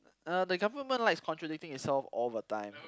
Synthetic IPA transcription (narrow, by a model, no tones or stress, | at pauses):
ədəɡavəmə̃nlaɪkskʰɔ̃ntɹədik̚tɪ̃ŋɪtsɛlfo̰vətãɪ̃m